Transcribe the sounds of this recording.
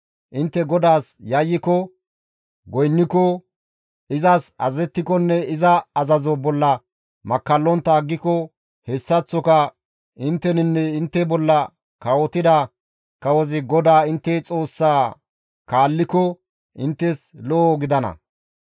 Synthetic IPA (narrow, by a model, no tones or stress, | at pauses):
ʔɪnt̪ːɛɡɔd̪aːsjɐjːɪkɔ | ɡɔjnːɪkɔ | ɪzɐsɐ̰zɛt̪ːɪkɔnːɛɪzɐɐzɐzɔbɔlːɐ | mɐkːɐlːɔnt̪ːɐːɡːɪkɔ | hɛsːɐt͡sːɔkɐ | ʔɪnt̪ːɛnɪnːɛɪnt̪ːɛbɔlːɐ | kɐwɔt̪ɪd̪ɐ | kɐwɔzɪɡɔd̪aːɪnt̪ːɛt͡sʼo̞ːsːaː | kaːlːɪkɔ | ɪnt̪ːɛslɔɡɪd̪ɐnɐ̰